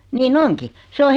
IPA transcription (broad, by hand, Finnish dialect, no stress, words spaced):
niːn oŋki se o